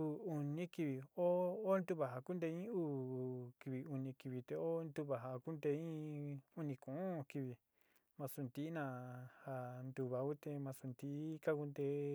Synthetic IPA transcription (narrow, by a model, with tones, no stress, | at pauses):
u˧u˧nĩ˦ki˧βi˧o˦o˦nd̪u˧βa˨ɦa˨ku˦nd̪e˧ĩ˦uː˦˨ki˧βi˧u˧nĩ˧ki˧βi˧t̪e˧o˦nd̪u˧βa˨ɦa˧ku˦nd̪e˧ĩ˦u˦nĩ˧kũ˨˦ki˧βi˧ | mã˧su˧nd̪i˧˦nã˧ha˧nd̪u˧βa˧u˦t̪e˧mã˧su˧nd̪i˧˦ka˦ku˧nd̪e˧˦